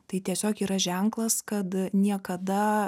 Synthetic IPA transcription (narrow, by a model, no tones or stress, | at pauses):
t̪ɐɪt̪ʲiɛsʲoːkiːɾɐʒʲɛŋklˠɐskɐt̪nʲiɛkɐd̪ɐ